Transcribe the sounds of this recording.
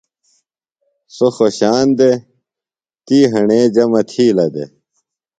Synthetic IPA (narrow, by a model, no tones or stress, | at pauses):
soxoɕaːnd̪e | t̪iːɦɐɳeːd͡ʑɐmɐt̪ʰiːlɐd̪ḛ